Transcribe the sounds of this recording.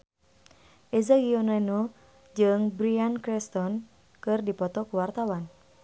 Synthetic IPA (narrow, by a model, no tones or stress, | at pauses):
ʔezaɡionano | d͡ʒɨŋbɾiankɾɛst̪ɔn | kɨrdipɔt̪ɔkuwart̪awan